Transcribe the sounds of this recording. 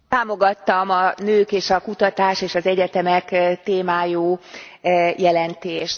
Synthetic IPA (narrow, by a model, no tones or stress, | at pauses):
taːmo̞ɡɒt̪ːɒmɒnøːkeːʃɒkut̪ɒt̪aːʃeːʃɒzɛɟɛt̪ɛmɛkt̪eːmaːjuː | jɛlɛnt̪eːʃt̪